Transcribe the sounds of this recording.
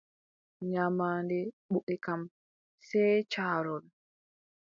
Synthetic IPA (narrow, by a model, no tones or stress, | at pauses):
ɲamaːndɛɓuʔɛkam | sɛjt͡ʃaːɾɔl